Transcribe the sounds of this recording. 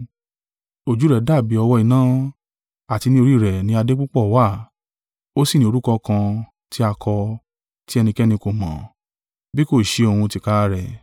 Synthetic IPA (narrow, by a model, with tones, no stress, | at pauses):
o˨d͡ʒu˨˦ɾɛ˨da˦˨bi˨˦ɔ˧wɔ˧˦i˨˧˨nãː˦ | a˦˨ti˧nĩ˦o˧ɾi˦˨ɾɛ˨nĩ˨˦a˧de˦k͡pu˦k͡pɔ˦˨wa˦˨ | o˦si˦˨nĩ˦o˧ɾu˦kɔ˧kã˧ | tʰi˦a˧kʰɔ˧ | ti˦ɛ˧nĩ˧kɛ˦nĩ˧ko˨mã̰˨ | bi˦ko˦˨ʃe˧o˧˨hũ˧ti˧ka˦a˦ɾɛ˨